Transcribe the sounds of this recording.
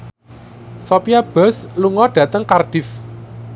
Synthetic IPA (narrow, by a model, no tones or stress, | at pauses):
sopiab̥ə̤sluŋɔɖ̥ä̤t̪əŋkarɖ̥ɪ̤f